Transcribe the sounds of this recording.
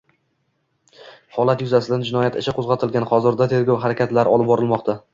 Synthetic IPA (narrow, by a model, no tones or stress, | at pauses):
hɒlˠat̪jʊzasɪd̪and͡ʒɪnɒjat̪ɪʃaqʰozʁɑt̪ʰɪlɡʲanχɒzɪɾd̪at̪ʰe̞ɾɡʲowɦaɾakʲat̪laɾɒlˠɪp̚bɒɾɪlˠmɒqt̪ʰa